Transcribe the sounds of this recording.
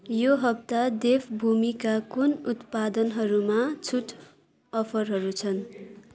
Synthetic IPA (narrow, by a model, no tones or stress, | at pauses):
joɦʌp̚t̪ad̪epʰbʱumikakunut̪pad̪ʌnɦʌɾumat͡sʰuʈʰ | ʌpʰʌrɦʌɾut͡sʰʌn